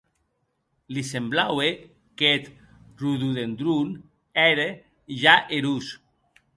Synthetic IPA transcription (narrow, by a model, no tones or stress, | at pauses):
lisemblawe | ket̪ | ruðuðend̪ɾun | ɛɾe | ʒaʔeɾus